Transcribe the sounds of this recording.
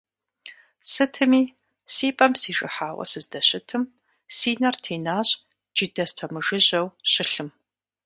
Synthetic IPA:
sɨtʰɨmiː | siːpʼɐmsiːʒʼɨ̰ħaːwɐ̰sɨzdɐɕɪtʰɨm | siːnɐrtʰeːnaːɕʼ | d͡ʒidɐstʷʰɐmɨʒɨʑɐwɕɪɬɨm

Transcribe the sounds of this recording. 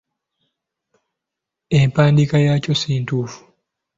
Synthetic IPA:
empaːndikajaːcosiːntuːfu̥

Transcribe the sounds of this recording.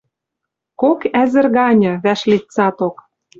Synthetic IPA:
kokæzɘ̆rɣɑnʲɤ̆βæʃlitt͡sɑt̪ok

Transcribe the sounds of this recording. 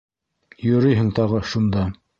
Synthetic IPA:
jɵ̆ɾɘjɦɘŋt̪ɑʁɤʃund̪ɑ

